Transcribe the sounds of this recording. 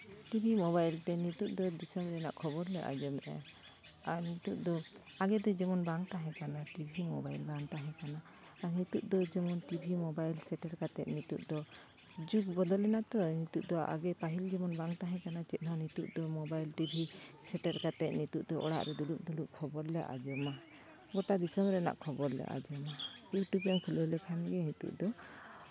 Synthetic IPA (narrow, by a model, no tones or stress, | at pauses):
ʈibʱimɔβajlt̪ɛnit̪uʔ̚d̪ɔd̪isɔmɾɛna̰ʔkʰɔbɔɾlɛʔa̰d͡ʒɔmɛ̰ | aɾnit̪uʔ̚d̪ɔ | aɡɛd̪ɔd͡ʒɛmɔnbaŋt̪aɦɛ̃kanaʈibʱimɔbajlbaŋt̪aɦɛ̃kanaː | ɾnit̪uʔ̚d̪ɔd͡ʒɛmɔnʈibʱimɔbajlsɛʈɛɾkat̪ɛʔ̪̚nit̪uʔ̚d̪ɔ | d͡ʒuɡ̚bɔd̪ɔlɛnat̪ɔnit̪uʔ̚d̪ɔʔa̰ɡɛpaɦild͡ʒɛmɔnbaŋt̪aɦɛ̃kanat͡ʃɛt̪̚ˀnɔnit̪uʔ̚d̪ɔmɔbajlʈibʱisɛʈɛɾkat̪ɛʔ̪̚nit̪uʔd̪ɔʔɔ̰ɽa̰ʔɾɛd̪uluk̚d̪uluʔkʰɔbɔɾlɛʔa̰d͡ʒɔma | ɡɔʈad̪isɔmɾɛna̰ʔkʰɔbɔɾlɛ̰ʔa̰d͡ʒɔmabjuʈubɛmkʰulɔlɛkʰanɡɛnit̪ṵʔd̪ɔ